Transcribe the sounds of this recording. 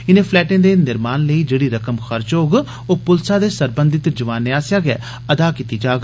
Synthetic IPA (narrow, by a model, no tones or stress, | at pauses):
ɪnẽːpʰlɛːʈẽːd̪eːnɪɾmaːnləiːd͡ʒeːɽiːɾəkəmxəɾt͡ʃoːɡ | oːpʊlsaːd̪eːsəɾbə̃nd̪ɪt̪d͡ʒəʋaːnːeaːsjaːɡɛ̰ː | əd̪aːkiːt̪iːd͡ʒaːɡ